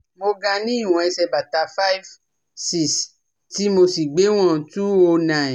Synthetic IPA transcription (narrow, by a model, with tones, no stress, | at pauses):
mo˧ɡã˧nĩ˦˨wɔ̃˨ɛ˧sɛ˧ba˨ta˧fa˦i˦v | si˦s | ti˦mo˧si˨ɡ͡be˨˦w̃ɔ̃˦˨tu˦o˧nã˨